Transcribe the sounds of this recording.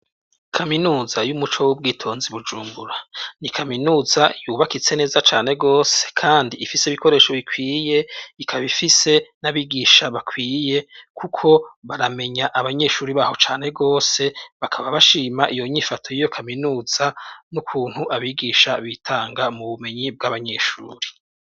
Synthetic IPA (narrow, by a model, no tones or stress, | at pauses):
kʰaminuːzajumut͡ʃowub̚ɡiːtʰo̞ːnziβud͡ʒuːmbuɾanikʰaminuːzajuːβakit͡se̞ne̞ːzat͡ʃaːne̞ɡo̞ːse̥kʰaːndiːfiseiβiko̞ɾe̞ːʃo̞βikwiːje̞ikʰaβifise̞naβiɡiːʃaβakwiːje̞kʰukʰo̞βaɾame̞ɲaʔaβaɲe̞ʃuːɾiβaːho̞t͡ʃaːne̞ɡo̞ːse̞βakʰaβaβaʃiːmaʔijo̞ɲifatʰo̞jijo̞kʰaminuːz̥anukʰuːn̥huʔaβiɡiːʃaβitʰaːŋɡamuβume̞ɲib̚ɡaβaɲe̞ʃṵːɾi̥